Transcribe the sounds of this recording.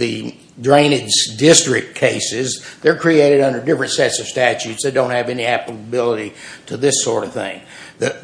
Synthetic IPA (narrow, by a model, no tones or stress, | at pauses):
ðɨ | dɹẽɪ̃ñɨdz̥dɪstɹ̥ɨk̚kʰeɪsɪzðə˞kʰɹ̥ieɪɾɨɾʌ̃ndə˞dɪfɹɨ̃ntsɛtsʌv̥stæt͡ʃʉtsðeɪdõʊ̃nthɨvɛniæpəbɪlˠəɾiɾɨðɪsɔɹɾʌv̥θɪ̰̃ŋ | ðɨ